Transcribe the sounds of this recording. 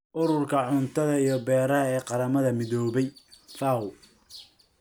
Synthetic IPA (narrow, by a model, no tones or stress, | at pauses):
ʔʊɾʊrkʰɐʕʊnt̪ʰɐðɐijɞbɛːɾɐɦɐɛːqɑɾɐmɐðɐmɪðɔːβɛjfaːwʊ